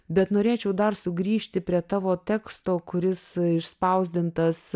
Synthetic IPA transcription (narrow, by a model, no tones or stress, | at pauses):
bʲɛt̪noːɾʲeːt͡ʃʲɛʊd̪ɐrsʊɡɾʲiːʃʲt̪ʲɪpʲɾʲiɛt̪ɑːʋoːt̪ʲɛːkst̪oːkʊɾʲɪsɪʃspɐʊzʲd̪ʲɪnt̪ɐs